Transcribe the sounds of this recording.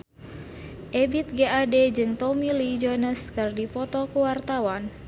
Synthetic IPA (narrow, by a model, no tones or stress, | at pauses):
ʔebit̪̚ɡeʔaded͡ʒɨŋt̪ɔmilid͡ʒonəskɨrdipɔt̪ɔkuwart̪awan